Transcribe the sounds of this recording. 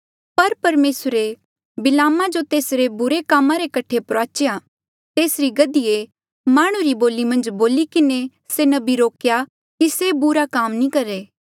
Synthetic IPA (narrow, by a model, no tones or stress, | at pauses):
pɐɾpɐɾmeːsɾe | bɪlaːmãd͡ʒot̪eːsɾebʊɾekaːmãɾekɐʈʰepɾoaːt͡ʃja | t̪eːsɾiɡɐd̪ije | maːɽ̃ũɾiboːlimɐ̃nd͡ʒboːlikɪne | senɐbiɾoːkja | kisebʊɾakaːmnĩkɐɾeː